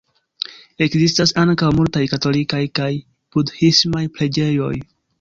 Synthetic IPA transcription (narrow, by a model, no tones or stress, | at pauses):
e̞kzistasaŋkawmultajkato̞likajkaj | pudhismajpɾe̞d͡ʒe̞jo̞̰j